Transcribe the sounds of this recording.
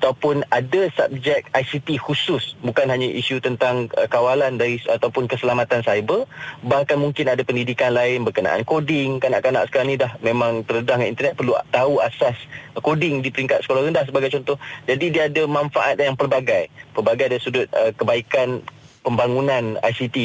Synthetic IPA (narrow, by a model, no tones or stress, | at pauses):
at̪awpʊnadasa̰p̚d͡ʒɛk̚ajsit̪ihusʊsbukanɦaɲaʔisut̪ənt̪aŋəkawalandaɾiat̪awpʊnkəsəlamat̪ansajbərbahkanmuŋkɪnadapəndidikanlaɪnbərkəna̰ʔa̰nkodɪŋkana̰ʔkana̰ʔsə̥kaɾaŋnĩdahmẽmãŋt̪ərədahŋḭnt̪ərnɛt̪̚pərlut̪auasaskodɪŋdipəɾiŋkat̪sə̥kolahɾəndahsəbaɡajt͡ʃɔnt̪ɔhd͡ʒadidiəːdamãnfaʔat̪̚jaŋpərbaɡajpərbaɡajdaisudʊt̪̚əkəbaikan | pəmbaŋunãna̰jsit̪i